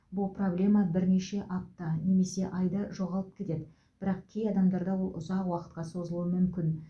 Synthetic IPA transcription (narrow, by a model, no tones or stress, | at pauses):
bʊlˠpro̞blʲe̞mɑbɪɾne̞ʃe̞ʔɑp̚t̪ɑne̞me̞se̞ʔɑjd̪ɑʒo̞ʁɑlˠəp̚kʲʰe̞t̪e̞d̪ɪ | b̥ɪɾɑq̚kʲʰejɑd̪ɑmd̪ɑɾd̪ɑwo̞lˠʊ̰zɑqwɑqə̥t̪̚qɑso̞zəlˠuəmʏmkʲɪn